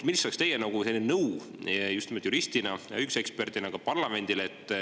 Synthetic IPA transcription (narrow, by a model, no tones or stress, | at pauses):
milsɑkst̪e̞jenɑɡ̥uselʲːinnɤw | just̪imot̪juɾist̪inɑjɑ̰ykse̞kspe̞rd̪inɑɡ̥ɑpɑrlɑme̞nd̪̥ileet̪ːˑ